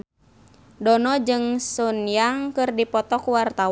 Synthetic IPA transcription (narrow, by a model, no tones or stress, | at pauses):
dɔnɔd͡ʒɨŋsunjaŋkɨrdipɔt̪ɔkuwart̪a